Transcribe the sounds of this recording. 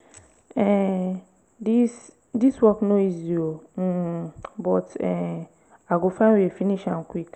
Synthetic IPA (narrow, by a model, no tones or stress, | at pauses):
ɛ | dis | diswɔknõiziom̩bɔtɛ | aɡofãwiɛfiniʃãnkʰwik